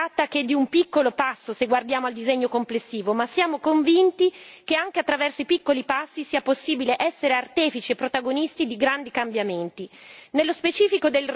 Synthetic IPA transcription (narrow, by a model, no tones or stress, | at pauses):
at̪ːaked̪ːiumpikːolopasːoseɡward̪jaːmoald̪izeɲːokomplesːiːvomasːjaːmokoɱvint̪ikeaŋk̟eat̪ːɾavɛrsoipikːolipasːisiːaposːiːbileʔɛsːeɾeart̪ɛːfit͡ʃiepːɾot̪aɡonist̪id̪iɡɾand̪ikambjament̪inelːospet͡ʃiːfikod̪elr